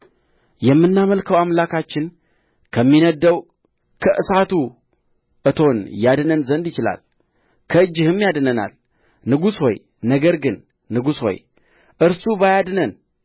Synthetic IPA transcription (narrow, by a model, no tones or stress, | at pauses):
jɛmːɨnːaməlkʰəwamlakʰat͡ʃːɪn | kʰəmːinəd̪ːəw | kʰəʔɨsat̪u | ʔɨt̪ʰo̞njad̪nənzənd̪jɪt͡ʃɪla̰l | kʰəɨd͡ʒːɪhɨmːjad̪nəna̰l | nɨɡusho̞̰j | nəɡəɾɡɨnː | ɨɡusho̞̰j | ʔɨɾsubajad̪nən